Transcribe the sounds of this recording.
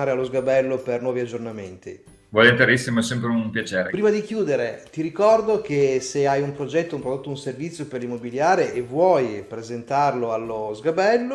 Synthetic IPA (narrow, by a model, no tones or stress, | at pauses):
aːɾealozɡabɛlːopernwɔːviad͡ʒːornament̪ḭ | vɔlint̪eɾisːimasɛmpɾeuumpjat͡ʃeːɾepɾiːmad̪ik̟juːd̪eɾet̪iɾikɔrd̪ok̟eseajumpɾod͡ʒɛt̪ːoumpɾod̪ot̪ːounservit̪sːjoperlimːobiljaːɾeʔːvːwɔːjpɾezent̪arloalːozɡabɛlːo